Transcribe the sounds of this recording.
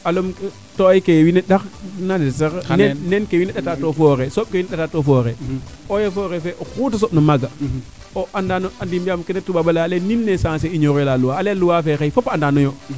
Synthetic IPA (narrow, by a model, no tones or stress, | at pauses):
alomk | toajkewineɗaxnans̬ennenkewineɗatatofoɾesop̚kewinɛɗatatofoɾeojefoːɣefɛʔoxut̬asoɓnamaɡa | oʔandanoandimijamkɛnetːuɓaɓalaleninːesãseiɲoɾjlaluwaaleluwafexejfopandanɔjo